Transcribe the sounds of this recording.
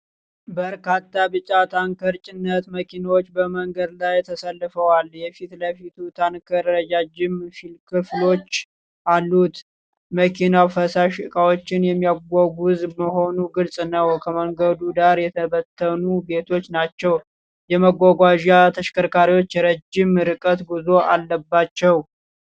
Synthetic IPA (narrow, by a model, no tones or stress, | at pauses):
bəɾkat̪ːabɨt͡ʃʼat̪ʰaŋkʰəɾt͡ʃʼɪnːət̪məkʰinawot͡ʃːbəməŋɡəd̪lajt̪ʰəsəlːɨfəwaljɛfit̪ləfit̪ʰut̪ʰankʰəɾɾəd͡ʒad͡ʒɪmfilkʰɨflo̞t͡ʃː | ʔalːut̪ | məkʰinafəsaʃkʼawo̞t͡ʃːɪnjɛmːijaɡʷoɡuzməho̞nuɡɨlsʼnəwkʰəməŋɡəd̪ud̪aɾjɛt̪ʰəβət̪ʰːənube̞t̪ʰo̞t͡ʃːnat͡ʃːɛw | jɛməɡʷːaɡʷaʒat̪ʰəʃkʰəɾkʰaɾiwo̞t͡ʃːjɛɾəd͡ʒːɪmɾɨkʼət̪ɡɨzo̞ʔalːəbːat͡ʃːɛw